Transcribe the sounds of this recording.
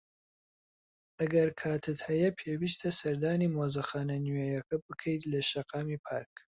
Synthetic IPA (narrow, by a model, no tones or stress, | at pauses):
ʔɐɡɐɾkʰaːt̪ʰɨt̪hɐjɐpʰeːwiːst̪ʰɐsɐɾd̪aːniːmoːzɐxaːnɐnyjɛjɐkɐbɨkʰɐjt̪lɐʃɐqɑːmiːpʰaːɾk̚